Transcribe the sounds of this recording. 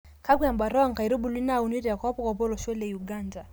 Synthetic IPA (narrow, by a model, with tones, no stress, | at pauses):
ka˦kwi˦a˨mba˨ɾɔ˦ɔ˦ŋka˨i˨ɾu˦bu˨li˦na˦u˨ni˦ɾi˨a˨kɔ˦ɔ˦pɔ˦ka˨bɔ˦lɔ˨ʃɛ˦lɛ˨u˨ɡanda˨